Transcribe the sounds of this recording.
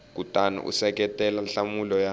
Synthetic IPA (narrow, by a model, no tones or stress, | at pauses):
k̬utʼana̰ʔṵsɛk̬ɛtʼɛlaɬamulɔja